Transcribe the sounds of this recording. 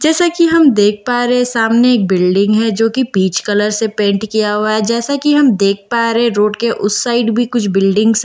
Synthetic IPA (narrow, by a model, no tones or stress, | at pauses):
d͡ʒɛːsakiɦɐmd̪eːk̚ʰpaːɾesaːmneeːk̚bɪlɖɪ̃ŋɡɦɛd͡ʒoːkibiːt͡ʃkɐləɾsepẽːɳʈkijaɦoaɦɛd͡ʒɛːsakiɦɐmd̪eːk̚ʰpaːɾeɛ̃ɾoːɖkeʔʊsːaːɪɖbʱikʊt͡ʃʰbɪlɖɪ̃ŋɡs